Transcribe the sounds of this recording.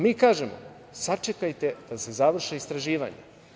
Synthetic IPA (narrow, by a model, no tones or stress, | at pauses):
miːkaːʒemo̰ | sat͡ʂe̞kajt̪ed̪̥ase̞zaʋr̩ʃeist̪ɾaʒiːʋa̰ɲḛ